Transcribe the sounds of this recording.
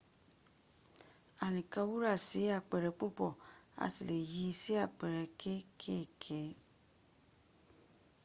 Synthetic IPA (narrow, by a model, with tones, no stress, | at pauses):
a˨nĩ˨kã˧wu˦ɾa˦˨si˨˦a˦˨k͡pɛ˨ɾɛ˨˧˦k͡po˦˨k͡pɔ˦˨a̰˨ti˨le˨ji˨˧˦si˦a˦˨k͡pɛ˨ɾɛ˨˦kʰe˦kʰe˦˨kʰɛ˨˦